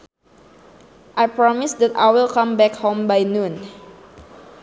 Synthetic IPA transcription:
ʔajpɹɔmisdɛtajwilkãmbɛkhõmbajnũn

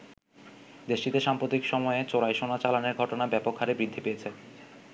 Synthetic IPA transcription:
d̪eʃʈit̪eʃampɾot̪ikʃɔmɔet͡ɕoɾajʃonat͡ɕalaneɾɡʱɔʈonabɛpokʰːaɾebɾid̪ʱːipejet͡ɕʰe

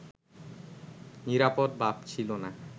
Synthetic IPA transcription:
niɾapod̪̚babt͡ɕʰilona

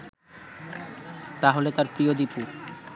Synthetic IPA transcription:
t̪aɦolet̪aɾpɾiod̪ipuɾ

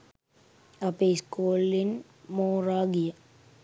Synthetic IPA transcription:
ɐpeiskoːlːin | moːraːɡijə

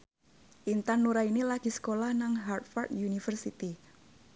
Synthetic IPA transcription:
ʔint̪anːuɾainilaɡ̥i̤sə̥kolahnaŋɦart̪fɔrt̪junifərsit̪i

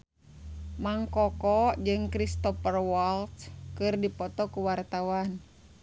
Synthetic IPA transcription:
maŋkɔkɔd͡ʒɨŋkɾist̪ɔpərwɔlt̪kɨrdipɔt̪ɔkuwart̪awan

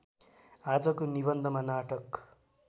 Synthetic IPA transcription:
ad͡zʌkonibʌnd̪ʱʌmanaʈʌk

